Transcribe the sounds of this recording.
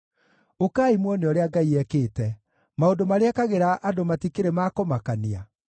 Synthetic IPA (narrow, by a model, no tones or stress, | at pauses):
okaːimwɔneɔɾeaɡaiɛkeːtɛ | maondomaɾeakaɣeɾaʔadomatikeɾemaːkɔmakania